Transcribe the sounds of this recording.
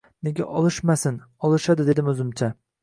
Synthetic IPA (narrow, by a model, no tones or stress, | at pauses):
neɡʲa̰ʔɒlˠɪʃmasɪn | ɒlˠɪʃad̪ɪd̪e̞d̪ɪmɵzɪmt͡ʃʰa